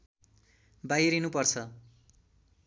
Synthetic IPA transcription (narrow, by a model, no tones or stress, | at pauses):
bajɾinupʌrt͡sʰʌ